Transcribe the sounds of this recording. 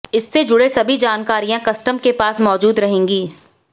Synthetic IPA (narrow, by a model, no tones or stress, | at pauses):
ɪsːed͡ʒʊɽesɐbʱid͡ʒaːnkaːɾijãkɐsʈəmkepaːsmɔːd͡ʒuːd̪ɾɐɦẽːŋɡiː